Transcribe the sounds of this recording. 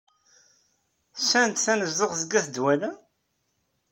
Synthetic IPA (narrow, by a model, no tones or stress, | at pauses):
sːænt̪θænəzðəʁðəɡːæθd̪wælæ